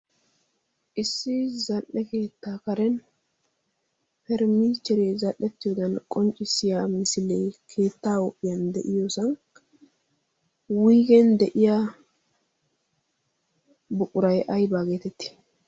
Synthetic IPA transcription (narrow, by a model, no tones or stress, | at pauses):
ʔɪsːɪzɐlʔːɛke̞ːt̪ːaːkɐɾɛn | pɛɾmiːt͡ʃːɛɾezɐʔːɛt̪ːɪjoːd̪ɐnkʼɔnt͡ʃʼːɪsɪjamɪsɪlɛjkʰe̞ːt̪ːaːwʊpʼːɪjɐnd̪ɛʔɪjosɐŋk | wiːɡɛnd̪ɛʔɪja | bʊkʼʊɾɐjɐjbaːɡe̞ːt̪ɛt̪ːi̥